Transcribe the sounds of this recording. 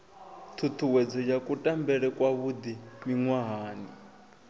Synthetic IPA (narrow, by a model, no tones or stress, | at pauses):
t̪ʰut̪ʰuwɛd͡zɔjakʼutʼambɛɺɛkʼwaβud̪imiŋwaɦaːni